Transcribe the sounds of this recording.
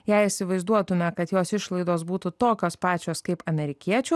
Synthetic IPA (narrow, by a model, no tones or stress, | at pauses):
jɛɪɪsʲɪʋɐɪzd̪uɔt̪ʊmʲɛkɐt̪joːsɪʃlˠɐɪd̪oːsbuːt̪ʊt̪oːkʲoːspɑːt͡ʃʲoːskɐɪpɐmʲɛɾʲɪkʲiɛt͡ʃʲʊ